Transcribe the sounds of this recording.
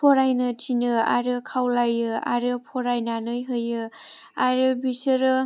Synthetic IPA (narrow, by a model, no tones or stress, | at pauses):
pʰɔɾajnɯtʰinɯa̰ɾɯkʰawlajɯa̰ɾɯpʰɔɾajnanɯjɦɯjɯ | aɾɯbisɯɾɯ